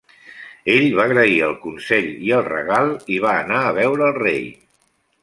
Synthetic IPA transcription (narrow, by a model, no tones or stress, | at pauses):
eʎβaɣɾəiəlˠkunsɛʎiəlˠrə̰ɣalˠiβ̞aːnaəβɛwɾəːlˠrej